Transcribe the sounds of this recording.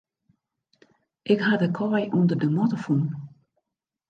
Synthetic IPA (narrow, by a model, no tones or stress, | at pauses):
ʔɪkɦadəkʰɔjʔundərdəmɔtəfun